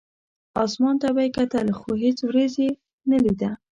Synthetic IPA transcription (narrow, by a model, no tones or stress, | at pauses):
ɑsmɑnt̪abajkat̪əlxoɦet͡swɾaze | nalid̪a